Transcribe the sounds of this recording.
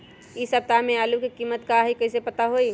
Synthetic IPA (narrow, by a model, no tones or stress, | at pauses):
isəb̚t̪amẽalukikimːət̪kaɦikəɪsepət̪aɦoi